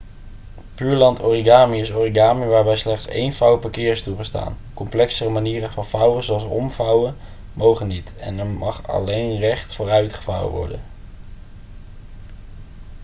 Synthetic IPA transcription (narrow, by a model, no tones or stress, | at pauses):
pyːɹlɑntʰoriɡaːmiɪsoriɡaːmiʋaːɹbɛjslɛχtsḛjnfɑwəpakɪːɹɪstuχəsta̰ːn | kɔmplɛksərəmaniːrəvɑnvɑwəzowɑlˠsɔmvɑwən | mowχənitɛ̰nɛɹmɑχɑ̰lejnrɛχtfoːrœɥtχə̥vɑ̰wə̰ʋɔ̰ɹdə̰n